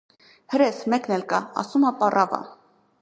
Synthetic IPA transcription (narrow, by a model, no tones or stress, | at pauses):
həɾɛsmɛknɛlkɑɑ̰sumɑpɑrʔɑvɑ̰